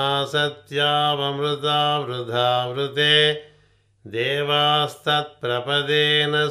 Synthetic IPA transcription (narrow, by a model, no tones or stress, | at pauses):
aːsɐt̪jaːʋɐmɾʊt̪aːʋɾud̪ʱaːʋɾut̪eː | d̪eːʋaːst̪ʰɐt̪̚pɾɐpɐd̪eːnɐ